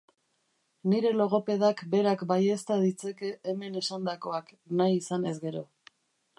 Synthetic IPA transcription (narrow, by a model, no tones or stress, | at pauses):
niɾe̞lo̞ɣ̞o̞pe̞ðakbe̞ɾakbaje̞st̪að̞it͡se̞ke̞ʔːme̞ne̞sand̪ako̞ak | najːsane̞zɡe̞ɾo̞